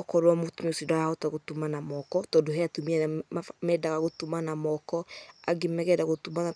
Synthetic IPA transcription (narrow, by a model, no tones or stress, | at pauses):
ɔkɔɾwɔmotumiosidaɾahɔtaɣotumanamɔkɔtɔdoɦɛatumiɛmɛdaɣaɣotumanamɔkɔaɡemɛɣɛdaɣotuma